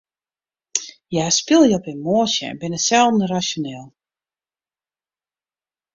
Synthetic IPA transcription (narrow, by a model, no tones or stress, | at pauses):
jɛspɪlˠjəɔpɪnmoːsjə̰ɛ̰nbɪnəsɛlˠdnərasjoneːlˠ